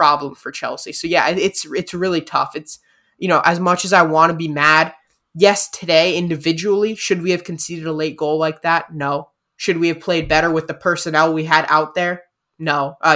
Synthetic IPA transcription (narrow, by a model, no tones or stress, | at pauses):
pʰɹ̥ɑblə̃ɱfə˞t͡ʃʰɛ̰lˠsisoʊjæʔɪɪtsɪtsɹɪlˠitʰʌ̰fɨts | jɨñoʊʔɨzmʌt͡ʃɨzaɪwɑ̃ɾɨbimæd̚ | jɛstʰɨdeɪɪ̃ndɨvɪd͡ʒɨl̩ˠiʃɨd̚wiɨv̥kʰn̩siɾɨɾəleɪt̚ɡ̥oʊlaɪk̚ðæt̚ⁿnoʊ | ʃɨd̚wiɨv̥pʰl̥eɪd̚bɛɾə˞wɨðɨpʰɜ˞sɨnɛlˠwiɨɾʔa̰ʊt̪̚ðə˞ | noʊʔʌ